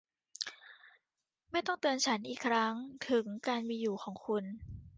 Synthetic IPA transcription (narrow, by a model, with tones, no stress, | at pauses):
ma˥˩jt̪ɔ˥˩ŋt̪ɯ˧ənt͡ɕʰa˦˥nʔiː˨˩kʰɾa˦˥ŋt̪ʰɯ˩˦ŋkaː˧nmiː˧juː˨˩xʰɔː˩˦ŋkʰu˧n